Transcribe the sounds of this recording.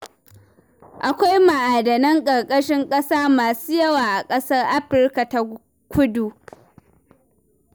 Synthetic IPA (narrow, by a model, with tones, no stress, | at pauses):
ʔa˨kʷa˦jma˨ʔaː˨dɐ˨nɐ˦ŋkʼɐ˨rkʼɐ˦ʃɪ˦ŋkʼɐ˦saː˦maː˨suː˦jɐ˦waː˨ʔa˨kʼɐ˦sɐ˦rʔa˦ɸɪ˦ɾka˨ta˨ | kʷʊ˦duː˨